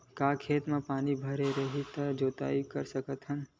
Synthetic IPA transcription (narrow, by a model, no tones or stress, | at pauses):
kaːkʰeːt̪mãpaːnibʱɐɾeɾəɦit̪əd͡ʒoːt̪a̰ːikəɾsəkət̪ɦən